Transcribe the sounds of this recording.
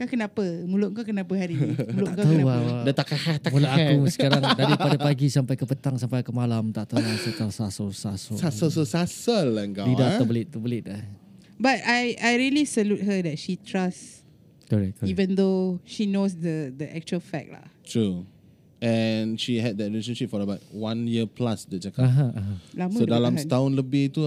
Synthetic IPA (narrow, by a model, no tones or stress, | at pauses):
kakənapəmulʊʔ̚ŋkakənapəɦaɾiimulʊŋkoəənaadat̪akahat̪amulaakusə̥kaɾaŋdaɾiadapaɡisampajkəpət̪aŋsampajkəmalamt̪aʔt̪əwasət̪asasəsasəsasəs̬əsasəlɛŋkabidat̪əbəlɪt̪̚t̪ːəbəlɪt̪̚abatajajɹiəlisəlut̚ɦədɛt̚ʃitʰɹas | kɔɹɛk̚kɔivə̃nd̪oʃinos̬dədəʔɛk̚t͡ʃuəlfɛk̚la̰tʰɹu | ɛnʃiɦɛd̚dɛtɹileʃə̃nʃip̚fɔɾəbaʊt̚wãnjiəplasdət͡ʃakaaɦaʔaɦalamsuodalãmt̪aʊ̃nləbɪht̪u